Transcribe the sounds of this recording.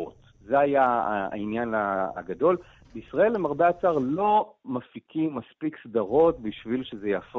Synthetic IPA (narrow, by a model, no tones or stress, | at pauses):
ot | zeajaa̰injanaa̰ɡado̞l | beisʁae̞lemaʁbeat͡saʁlo̞mafikimaspiksdaʁo̞tbiʃvilʃezejaf